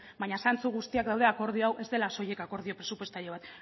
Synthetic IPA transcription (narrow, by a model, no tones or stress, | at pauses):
baɲasant͡suɣust̪iakd̪awðe̞ako̞ɾðioawʔe̞zd̪elaso̞je̞kako̞ɾðio̞pɾe̞supwe̞st̪aʎeβ̞at̪